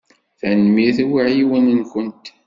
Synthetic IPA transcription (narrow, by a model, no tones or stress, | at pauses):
θænmiθæwiʕjiwənənkənt̪